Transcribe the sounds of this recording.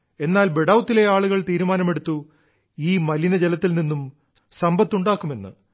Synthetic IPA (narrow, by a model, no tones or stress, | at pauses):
e̞nːaːlbeɽɐwt̪ːileaːɭuɣɐɭt̪iːɾumaːnɐme̞ɽut̪ːu | iːmɐlinɐd͡ʑelɐt̪ːilninːum | sɐmbɐt̪ːuɳɖaːkːume̞nːɨ